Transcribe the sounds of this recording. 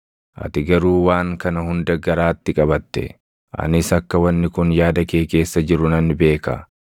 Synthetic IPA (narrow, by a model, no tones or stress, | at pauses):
ʔɐ̰t̪ɪɡɐɾuːwaːŋkɐnɐhʊnd̪ɐɡɐɾaːt̪ːɪkʼɐbɐt̪ːɛ̰ | ʔɐ̰nɪsɐkːɐwɐnːɪkʊnjaːd̪ɐke̞ːke̞ːsːɐd͡ʒɪɾʊnɐnːɪbe̞ːkɐ̰